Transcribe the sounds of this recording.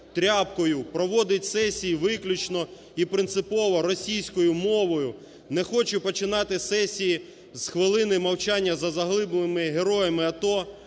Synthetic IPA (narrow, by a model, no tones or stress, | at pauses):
t̪ɾʲɑpkɔjʊpɾɔʋɔd̪ɪtʲsɛsʲijiʋɪklʲʊt͡ʃnɔ | ipɾɪnt̪sɪpɔʋɔɾɔsʲijsʲkɔjʊmɔʋɔjʊ | nɛxɔt͡ʃʊpɔt͡ʃɪnɑt̪ɪsɛsʲiji | zxʋɪlˠɪnɪmɐwt͡ʃɑnʲːɐzɐzɐɦlˠɪblˠɪmɪɦeɾɔjɐmɪɐt̪ɔ